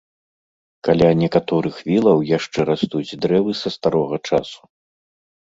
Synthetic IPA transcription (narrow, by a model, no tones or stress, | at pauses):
kalʲanʲɛkat̪ɔɾɨxvʲilˠɐwjaʂt͡ʂɛɾast̪ud͡zʲd̪ɾɛvɨsɐst̪aɾɔɣɐt͡ʂasu̥